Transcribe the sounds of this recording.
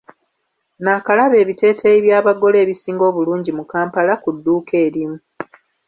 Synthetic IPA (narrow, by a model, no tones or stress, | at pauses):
naːkalaβe̞ːβite̞ːtʰeiβjaːβaɡo̞le̞ːβisiːŋɡo̞ːβuluːɲɟimukaːmpalakudːuːkʰe̞ːɾimu